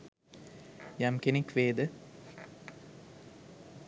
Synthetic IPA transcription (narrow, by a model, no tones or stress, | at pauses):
jamkenekʋeːd̪ə